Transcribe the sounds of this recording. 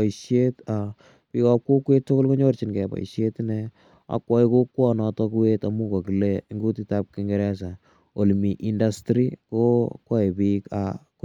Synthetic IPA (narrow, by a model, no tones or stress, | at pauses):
iʃjeta | pikɔp̚kukːwetːʊkolkoɲort͡ʃinkɛpa̰iʃjetnɛ | a̰kwɔikokːwɔnɔtɔkuwetamukokileŋɡutitap̚kiŋɡɛɾɛsa | olmiʔindastɾikokwɔepiːka̰k